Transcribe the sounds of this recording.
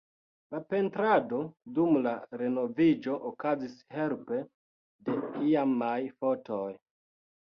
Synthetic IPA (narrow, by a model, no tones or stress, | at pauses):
lape̞ntɾado̞dumlaɾe̞no̞vid͡ʒo̞ʔokazishe̞lpe̞ | de̞iamajfo̞tʰo̞j